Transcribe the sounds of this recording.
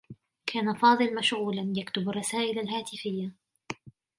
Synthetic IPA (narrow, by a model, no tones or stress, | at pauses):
kʰaːnafɑːd̪ˤɨlmaʃʕuːlanjakt̪ʊbarˤːɑsaːʔɪlalɦaːt̪ɪfɪjːa